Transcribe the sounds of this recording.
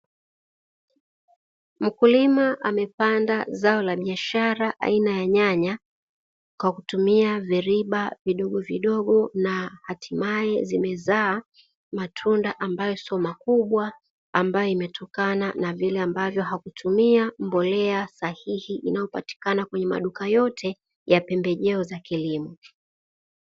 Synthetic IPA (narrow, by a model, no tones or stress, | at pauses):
m̩kulimaʔamɛpandazaɔlaɓiaʃaɾaʔa̰inajaɲaɲa | kwakutumiavɛɾiɓaviɗɔɠɔviɗɔɠɔnahatʰimaɛzimɛzaː | matʰundaʔambajɔsiɔmakuɓwaː | mbajɔimɛtʰɔkananavilɛambavjɔɦakutʰumiambɔlɛasahihiʔinajɔpa̰ti̥kanakwɛɲɛma̰ɗukajɔtʰɛ | japɛmbɛʄɛɔzakilimɔ